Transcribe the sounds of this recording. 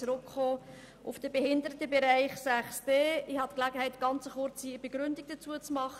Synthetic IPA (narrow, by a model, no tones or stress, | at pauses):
ɾʊkχoː | ʔʊfd̥əbehɪndəɾətəbeɾæɪχsæχsd̥eːɪhɑt̪klæɡəhɛɪtɡ̥ɑnt͡səχʊɾt͡siəb̥eɡ̥ɾʏndɪɡ̥̚d̥ət͡suət͡smɑχə